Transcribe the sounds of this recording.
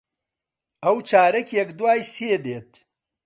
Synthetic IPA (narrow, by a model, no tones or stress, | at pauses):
ɐwt͡ʃʰaːɾɐkʲjɛkd̪waːjseːd̪eːt̪